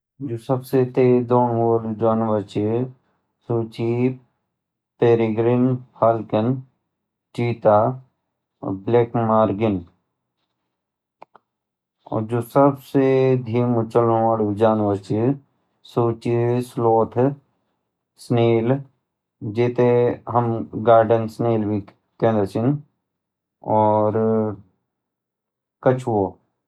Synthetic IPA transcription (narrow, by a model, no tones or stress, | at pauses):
d͡ʒosəbset̪ed̪oːnold͡ʒaːnʋət͡ʃi | suːt͡ʃi | peːɾiɡɾinpʰaːlkən | t͡ʃiːt̪a̰ː | bleːkmaːɾɡɪn | ɔ̰d͡ʒoːsəbsed̪ʱiːmut͡ʃəlũəɽd͡ʒaːnʋət͡ʃi | suːt͡ʃisloːt̪ʰ | sneːl | d͡ʒeːt̪eɦɐmɡaːɾɖənsneːlbʱi | kẽːnd̪ət͡ʃin | ɔːɾ | kət͡ʃʰoː